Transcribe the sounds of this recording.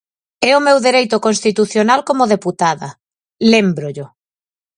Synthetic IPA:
ɛʊmewðeɾejt̪ʊkonst̪it̪uθjonalkomoðeput̪aðɐ | lembɾʊʎʊ

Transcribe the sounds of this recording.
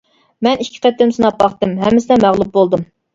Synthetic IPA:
mɛnikʲʰːɪ̥qɛt̪ːɪmsɨnɑpːɑχt̪ɨmɦɛmːɪsɪnɛmæʁlˠup̚bolˠd̪ɨm

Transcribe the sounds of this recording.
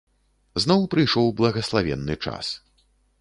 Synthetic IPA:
znɔwpɾɨjʂɔwblˠɐɣɐslˠavʲɛ̰nːɨt͡ʂa̰s

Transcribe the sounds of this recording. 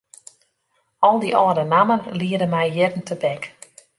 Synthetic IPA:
ɔlˠdiʔɔːɾənamənliədəmɛjjɪrn̩tʰəbɛk

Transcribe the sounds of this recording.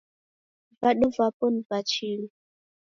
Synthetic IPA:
vaɗovapɔnvat͡ʃiɺi

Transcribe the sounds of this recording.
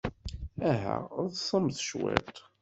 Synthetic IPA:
æɦæʊðsˤəmθʃwɛ̰t̪ˤ

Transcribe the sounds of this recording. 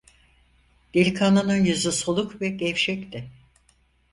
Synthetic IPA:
d̪̥ilʲkʰananɯnjyzysolˠukvɛɟɛfʃɛct̪ɪ

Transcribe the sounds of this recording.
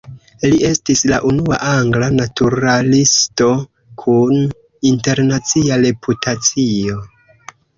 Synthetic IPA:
liʔe̞stislaʔunua̰ʔaŋɡlanatuɾalisto̞ | kʰun | inte̞ɾnat͡siaɾepʰutat͡sio̞

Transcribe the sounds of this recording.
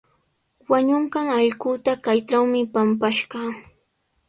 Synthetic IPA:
waɲʊɴɢɑŋɑʎɢʊt̪akajʈ͡ʂawmɪpampaʃɢɑ

